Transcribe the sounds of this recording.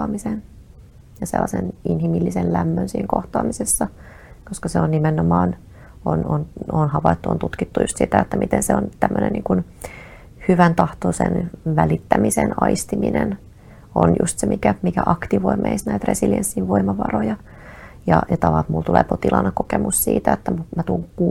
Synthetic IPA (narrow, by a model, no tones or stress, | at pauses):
ɑːmisen | jɑsḛlːɑseninhimilːisellæmːønsiːŋkoht̪ɑːmisesːɑkoskɑseonnimenomɑːn | onononhɑʋɑit̪ːuo̰nt̪ut̪kit̪ːujust̪sit̪æet̪ːæmit̪enseont̪æmːønḛnːiːŋkun | hyʋænt̪ɑht̪osḛnʋælit̪ːæmisenɑist̪iminen | o̰njṵst̪semikæmikæʔɑkt̪iʋoimeisnæit̪resiljensːinʋoimɑʋɑ̰rojɑ | jɑjɑt̪ɑʋɑlt̪mult̪ulḛːpot̪ilɑ̰nːɑkokemussḭːt̪æet̪ːæmumæt̪uŋku